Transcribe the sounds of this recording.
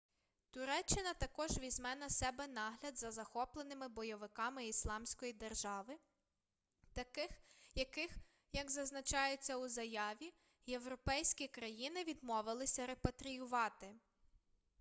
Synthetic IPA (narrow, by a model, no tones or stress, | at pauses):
t̪ʊɾɛt͡ʃːɪnɐt̪ɐkɔʒʋʲizʲmɛnɐsɛbɛnɑɦlʲɐd̪zɐzɐxɔplˠenɪmɪbɔjɔʋɪkɑmɪislˠɑmsʲkɔjid̪erʒɑʋɪ | t̪ɐkɪxjɐkɪx | jɐɡzɐznɐt͡ʃɑjet͡sʲːɐuzɐjɑʋʲi | je̞wɾɔpɛjsʲkʲikɾɐjinɪʋʲid̪mɔʋɪlˠɪsʲɐɾepɐt̪ɾʲijʊʋɑt̪ɪ